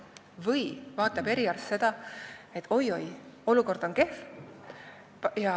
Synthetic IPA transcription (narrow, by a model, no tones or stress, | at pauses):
vɯjvɑːt̪ːˑɑbe̞ɾiɑrst̪se̞d̪̥ɑet̪ːˑo̞jo̞jo̞luko̞rd̪̥o̞nke̞f | jɑ